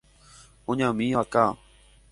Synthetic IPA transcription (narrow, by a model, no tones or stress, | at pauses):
ʊɲãːmĩːaːkaː